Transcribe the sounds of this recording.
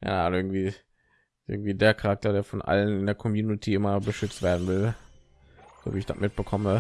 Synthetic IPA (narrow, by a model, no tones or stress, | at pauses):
ja̰ːʔɪɐɡŋ̩tv̥iː | ʔɪɐɡŋ̩tv̥iːdeːɐkʰaʁak̚tɐdeːɐfɔnʔa̰lənɪndeːɐkʰɔmjuːnɪtʰiʔɪmɐbəʃʏt͡stv̥eːɐdn̩vɪl | z̥o̰ːviːɪçd̥a̰mɪt̚b̥əkʰɔmə